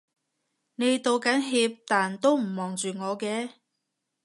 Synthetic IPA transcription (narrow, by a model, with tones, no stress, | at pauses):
ne˨˧jt̪o˨˧wkɐ˨˥nɦiː˧p̚t̪aː˨˩nt̪o˥wm̩˨˩mɔː˨ŋt͡ʃyː˨ŋɔː˨˧kɛː˧